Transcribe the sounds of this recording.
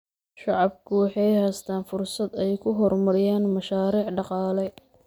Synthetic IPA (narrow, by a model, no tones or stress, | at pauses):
ʃɑʕɑb̚kʰʊwɑħɑjhɛst̪ʰaːnfʊrsɐd̪ɛjkʰʊɦɔrmɐɾɪjaːnmɐʃaːɾiːʕɖɑqɑːlɛ